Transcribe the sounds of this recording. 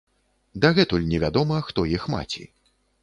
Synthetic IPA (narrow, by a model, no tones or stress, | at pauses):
d̪aɣɛt̪ulʲnʲɛvʲad̪ɔmɐxt̪ɔjixma̰t͡sʲḭ